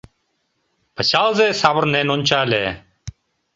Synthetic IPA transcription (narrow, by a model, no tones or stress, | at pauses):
b̥əɕaːlˠzeːsaːbəɾneːnonʲt͡ʃaːleː